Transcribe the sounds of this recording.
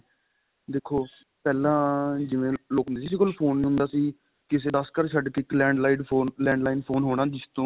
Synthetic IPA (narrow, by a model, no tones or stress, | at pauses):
d̪eːkʰːoː | pɛːlãːd͡ʒɪʋẽːloːkɦʊndeːsis̬iːkolpʰoːnːiːɦʊ̃nd̪aːsiː | kɪs̬eːd̪əskəɾʃʰəɖkɪklɛ̃ːɳɖlaːiːɖoːlɛ̃ːɳɖlaːiːnpʰoːnɦoːɽ̃aːd͡ʒɪst̪õː